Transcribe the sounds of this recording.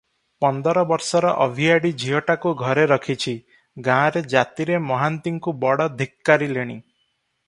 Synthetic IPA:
pɔnd̪ɔɾɔbɔɾsɔɾɔʔɔbʱiaɽid͡ʒʱiɦɔʈakuɡʱɔɾeɾɔkʰit͡ʃʰi | ɡãɾed͡ʒat̪iɾemɔɦant̪iŋkubɔɽɔd̪ʱikːaɾileɽ̃i

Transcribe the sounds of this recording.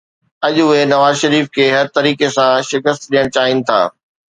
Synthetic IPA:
ɐʄʊɦenɐʋaːzʃɐɾiːfkʰeːɦɐɾt̪ɐɾiːkesãʃɪkəst̪ɗijəɽ̃t͡ɕaːɦɪnɪ̆t̪ʰa̰ː

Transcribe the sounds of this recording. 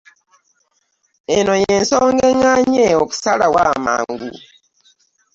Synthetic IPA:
enojensoːŋɡeŋaɲeoku̥salawa̰ma̰ːŋɡṵ

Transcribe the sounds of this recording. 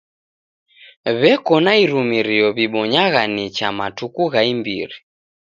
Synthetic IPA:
βɛkɔnaiɾumiɾiɔβiɓɔɲaɣanit͡ʃamatukuɣaimbḭɾi

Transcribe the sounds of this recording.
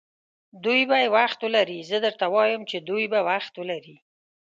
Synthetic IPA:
d̪ujbajewaxt̪wəlaɾizəd̪əɾt̪awɑjəmt͡ʃed̪ujbawaxt̪wəlaɾi

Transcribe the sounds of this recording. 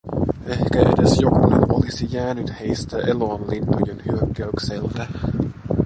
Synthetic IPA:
e̞hkæʔḛdesjokunḛnʔolisijæːnyt̪he̞jst̪æʔeloːnlint̪ojenhyøkːæykselt̪æ

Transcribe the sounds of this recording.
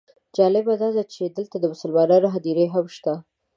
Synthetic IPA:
d͡ʒɑlɪbad̪ɑd̪at͡ʃed̪əlt̪ad̪əwʊsəlwɑɾɑɾoɦad̪iɾeɦamʃt̪a

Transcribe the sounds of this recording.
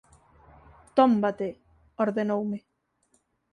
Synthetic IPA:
t̪ombat̪e | oɾðenowme

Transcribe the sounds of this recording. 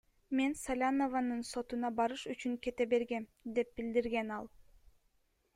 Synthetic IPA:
me̞nsalʲanovanɯnso̞t̪unɑbɑɾɯʃyt͡ʃyŋke̞t̪ebe̞ɾɡemd̪e̞p̚bild̪iɾɡenɑlˠ

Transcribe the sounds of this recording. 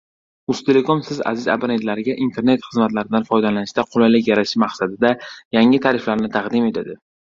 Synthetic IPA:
ʊst̪ʰe̞le̞komsɪza̰zɪza̰bnet̪laɾɪɡʲaʔint̪ʰe̞ɾne̞t̪χɨzmat̪laɾɪd̪anfɒjd̪alanɪʃt̪aqʰʊlajlɪkʲjaɾaʃɪmaqsad̪ɪd̪ajaŋɪt̪ʰaɾɪflaɾnɪt̪ʰɑqd̪ɪme̞t̪ʰad̪ɪ

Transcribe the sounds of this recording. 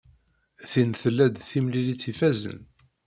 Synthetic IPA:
θinθəlːæd̪θimliliθifæzə̰n

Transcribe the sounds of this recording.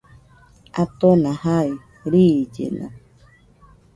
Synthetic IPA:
at̪onãhai | ɾid͡ʒḛna̰

